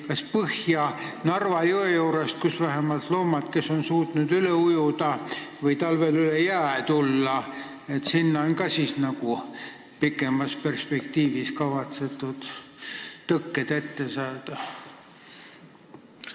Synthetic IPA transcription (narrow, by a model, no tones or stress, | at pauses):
kɑspɤhjɑnɑrvɑjuejuːɾest̪̚kusvæɦemɑlt̪loːmɑt̪ke̞so̞nsuːt̪nud̪yleujud̪̥ɑvɤjt̪ɑlvelylejæːt̪ulːɑ | e̞t̪sinːɑonkɑsiːsnɑku | pikːˑe̞mɑspe̞rspe̞kt̪iːviskɑvɑt̪se̞t̪ːˑud̪̥ː | ɤkːed̪̥e̞t̪ːe̞sɑːd̪̥ɑ